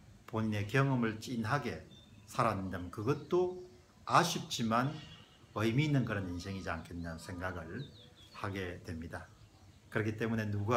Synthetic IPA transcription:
poɲine̞kjʌŋʌmɯɭt͡ɕinɦaɡe̞sʰaɾanɯndamkɯɡʌt̚t͈o | aɕʰip̚t͡ɕ͈iman | ʌjmiːnːɯnkɯɾʌninsʰe̞ŋid͡ʑia̰nkʰenansʰe̞ŋɡaɡɯɭhaɡe̞twe̞mɲida | kɯɾʌkʰit͈e̞mune̞nuɡa

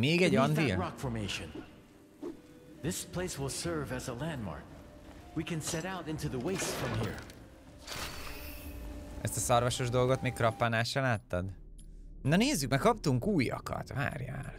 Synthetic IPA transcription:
meːɡɛɟɒnd̪ilɹɑkfɔɹmeɪʃɨ̃n | ðɪspʰl̥eɪswɪlˠsɜ˞vɨzəlæ̃nmɑ̰ɹk̚ | wikɨ̃nsɛɾaʊɾɪ̃ntuðəweɪsfɹʌ̃mɦḭɹ | ʔɛ̰st̪ɒsɒrvɒʃo̞ʒd̪o̞lɡo̞t̪meːkɾɒpːanaːʃɛlaːt̪ːɒd̪ | nɒneːzːykmɛkkɒpt̪uŋkuːjɒ̰kɒ̰t̪va̰ːrja̰ːl

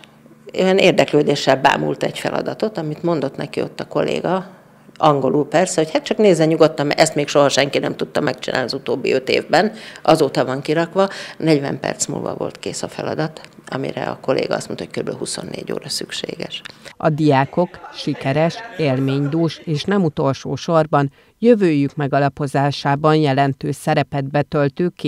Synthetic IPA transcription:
eɛneːrd̪ɛkløːd̪eːʃːɛlba̰ːmṵlt̪ɛɟfɛlɒ̰d̪ɒt̪o̞t̪ɒmit̪mo̞nd̪o̞t̪nɛkio̞t̪ːɒko̞lːḛːɡɒ | ɒŋɡo̞luːpɛrsɛho̞chat̪t͡ʃɒkneːzːɛɲuɡo̞t̪ːɒmɛst̪meːkʃo̞ɦɒʃɛŋkinɛmt̪ut̪ːɒmɛk̚t͡ʃina̰ːnɒzut̪oːbːiø̞t̪eːvbɛnʔɒzoːt̪ɒvɒŋkiɾɒkʋɒnɛɟvɛmpɛ̰rt̪smṵːlvɒ̰vo̞̰lt̪keːsɒfɛlɒd̪ɒt̪ɒmḭɾɛ̰ɒ̰ko̞lḛːɡɒɒstmont̪ɒoc̚køɾybølɦuso̞nːḛːɟo̰ːɾɒsykʃḛːɡɛʃɒd̪ijaːko̞kʃikɛɾɛʃeːlmeːɲd̪uːʃeːʃnɛmut̪o̞lʃoːʃo̞rbɒn | jøvøːjykmɛɡɒlɒpo̞zaːʃaːbɒnjɛlɛnt̪øːʃsɛɾɛpɛd̪̚bɛt̪ølt̪ykːi

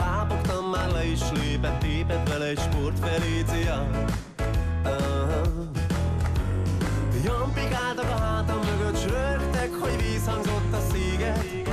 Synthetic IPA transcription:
paːpokt̪ɒmːaːrlɛiʃleːpɛt̪ːeːpɛt̪vɛlɛɛcʃport̪fɛleːzijɑ | ɦ | jompikaːlt̪okɒɦaːt̪ɒmːøɡøt̪d͡ʒøft̪ɛkhoɟviːshɒŋzo̞t̪ːɒseːɡɛt̪

